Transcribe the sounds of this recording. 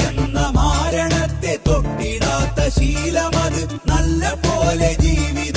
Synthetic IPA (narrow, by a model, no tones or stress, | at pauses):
enːɐmaːɾɐɳɐt̪ːe̞t̪oʈːiɽaːt̪ːɐɕiːlɐmɐðɨ | nɐlːɐpoːled͡ʑiːʋið